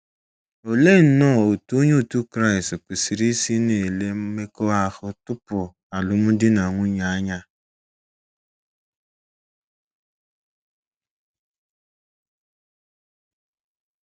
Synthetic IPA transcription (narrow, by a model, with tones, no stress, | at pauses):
o˨le˦˨n̩˨˦nɔ˦˨o˨tu˦ɲe˦˨tu˦kɾa˦ɪ˨stk͡pi˨si˨ɾi˦si˦ne˨le˦me˦ko˦a˦hʊ˦tʊ˦pʊ˨ | a˨lʊ˨mʊ˦dɪ˦na˨ŋʷʊ˦ɲa˨˦ɲa˦